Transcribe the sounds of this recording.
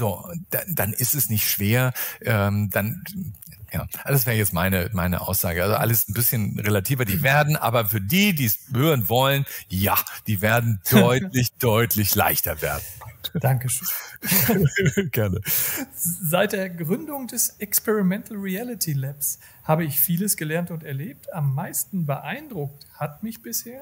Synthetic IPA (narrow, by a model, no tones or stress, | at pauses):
zoːd̥ad̥anʔɪstɛsnɪçtʃv̥eːɐʔɛːmd̥an | ja̰ːd̥as̬vɛːəjɛt͡stma̰ɪnəmaɪnə̰ʔa̰ʊsz̥a̰ːɡəʔalzoʔa̰ləsn̩bɪsçənʁelatʰiːvɐdiːveːɐdn̩ʔa̰ːbɐfyːɐdiːdiːɛshøːʁənvɔlənjad̥iːveːɐdn̩d̥ɔʏtlɪçd̥ɔʏtʰlɪçla̰ɪçtɐvḛːɐdn̩d̥aŋkəʃøː | ɡ̥ɛɐnə | zaɪt̚d̥eːɐɡʁʏndʊŋdɛsʔɛkspɛʁimɛntl̩ʁiɛlɪtʰilɛps | haːbəɪçfiːləsɡ̥əlɛɐntʊntɛɐleːp̚tamːaɪstn̩bəʔaɪndʁʊk̚that̚mɪçb̥ɪsheːɐ